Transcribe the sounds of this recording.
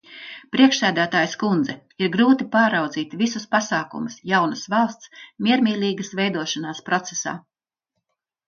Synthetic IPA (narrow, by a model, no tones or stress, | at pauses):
pɾiɛkʃsæːd̪æːt̪aːjskund̪zɛ | iɾɡɾuːt̪ipaːɾawd̪ziːt̪visuspasaːkṵmusjawnɐsvɑlˠst̪smʲiɛɾmʲiːlʲiːɡəsvɛjd̪uɔʃanaːspɾɔt̪sesa̰ː